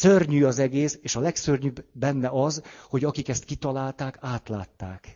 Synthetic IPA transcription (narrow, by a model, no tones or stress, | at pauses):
sørɲyːɒzɛɡeːseːʃɒlɛksørɲybːɛnːɛɒzho̞ɟɒkikɛst̪̚kit̪ɒlaːlt̪aːkaːt̪laːt̪ːaːk